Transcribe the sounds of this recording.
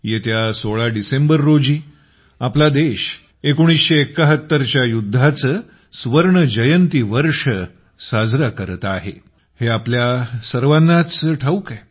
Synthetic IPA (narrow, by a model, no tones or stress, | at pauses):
jet̪jasoɭaɖisembəɾːod͡ʑiː | aplad̪eɕ | ekoɽ̃isɕeːkːəɦət̪ːəɾt͡ɕjajud̪ʱːat͡səː | sʋəɾɳəd͡ʑəjənt̪iːʋəɾʂə | sad͡zɾakəɾt̪aɦḛ | heapljasəɾʋanːat͡sʈʰauka